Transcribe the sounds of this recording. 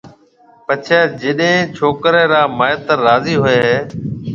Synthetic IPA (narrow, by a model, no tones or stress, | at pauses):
pət͡ʃʰaːd͡ʒeɗɦẽːt͡ʃʰoːkɾẽːɾaːmaːjət̪əːaːziːɦʊeːɦeː